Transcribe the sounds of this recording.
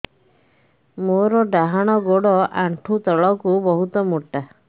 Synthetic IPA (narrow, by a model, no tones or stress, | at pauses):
moɾɔɖaɦaɽ̃ɔɡoɽɔʔaɳʈʰut̪ɔɭɔkubɔɦut̪ɔmuʈːa